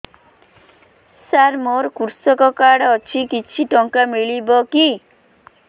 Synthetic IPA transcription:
saɾmoɾkuɾsɔkɔkaɽɔt͡ʃʰikit͡ʃʰiʈɔŋkamiɭibɔki

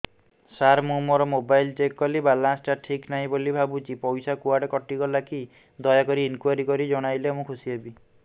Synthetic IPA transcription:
saɾmũmɔɾɔmobajlt͡ʃekkɔlibalasʈaʈʰiknaɦĩbolibʱabut͡ʃipɔjsakuaʈekɔʈiɡɔlaki | d̪ɔjakɔɾiːnkuaɾikɔɾid͡ʒɔɽ̃ajlemũkʰusiebi

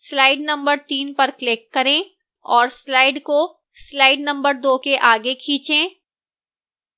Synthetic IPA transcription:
slaːɪɖnɐ̃mbəɾt̪iːnpɐɾklɪkːɐɾẽː | ɔːɾslaːɪɖko | slaːɪɖnɐ̃mbəɾd̪oːkeʔaːɡekʰĩːt͡ʃẽː

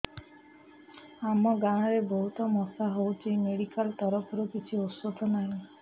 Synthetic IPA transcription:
amɔɡaɽ̃ɔɾebɔɦut̪ɔmɔsaɦowt͡ʃʰimeɽikalt̪ɔɾɔpʰɔɾukit͡ʃʰiuswod̪ʱɔnaɦĩ

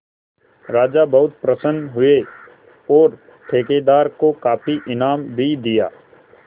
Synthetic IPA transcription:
ɾaːd͡ʒabɐɦʊt̪̚pɾəsənɦʊe | ɔːɾ | ʈ̪ʰeːked̪aːɾkokaːpʰiʔɪnaːmbʱid̪ɪja̰ː

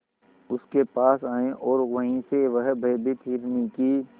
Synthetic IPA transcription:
ʊskepaːsaːẽʔɔːɾɣɐɦĩseʋəɦbʱɐːbɪt̪ɦɪɾniki

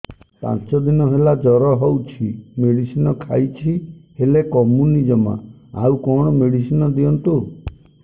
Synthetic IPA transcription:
pã̰nt͡ʃɔd̪inɔɦelad͡ʒɔɾɔɦɔwt͡ʃʰimeɽisinɔkʰajt͡ʃʰihelekɔmunid͡ʒɔma̰ | a̰ukɔɽ̃ɔmeɽisinɔd̪iɔnt̪u

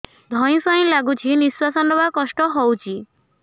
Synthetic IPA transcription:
d̪ʱɔj̃sɔj̃laɡut͡ʃʰiniswasɔnɔbakɔsʈɔɦɔwt͡ʃʰi

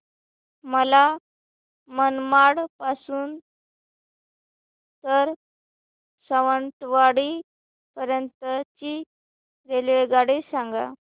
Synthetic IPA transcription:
məla | mənmaɽpasuːn | t̪əɾ | səʋənt̪ʋaɽi | pəɾjənt̪ət͡ɕi | ɾeleɭɡaɽesaŋɡa̰

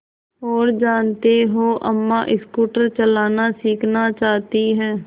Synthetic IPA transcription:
ɔːɾd͡ʒaːnt̪eːɦoːʔəmːãːʔɪskuːʈəɾt͡ʃəlaːnaːsiːkʰnaːt͡ʃaːt̪iːɦɛː

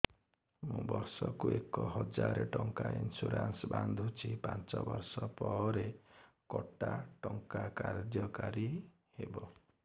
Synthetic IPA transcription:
mũbɔɾsɔkuekɔɦɔd͡ʒaɾeʈɔŋkainsuɾansband̪ʱut͡ʃʰipant͡ʃɔbɔɾsɔpɔɾe | kɔʈaʈɔŋkakaɾd͡ʒjɔkaɾi | hebɔ

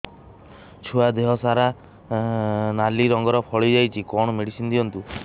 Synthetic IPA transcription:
t͡ʃʰuad̪eɦɔsaɾa | naliɾɔŋɡɔɾɔpʰɔɭid͡ʒajt͡ʃʰikɔɳ̃ɔmeɽisind̪iɔnt̪u

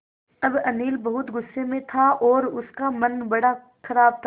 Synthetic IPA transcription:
ɐbɐniːlbɐɦʊt̪ɡʊsːemẽt̪ʰaʔɔːɾʊskamɐnbɐɽa | xɐɾaːb̚t̪ʰ

